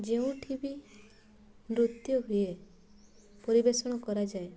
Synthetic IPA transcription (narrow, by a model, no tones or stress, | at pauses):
d͡ʒeũʈʰibi | mɾut̪jɔɦuje | pɔɾibesɔɽ̃ɔkɔɾad͡ʒae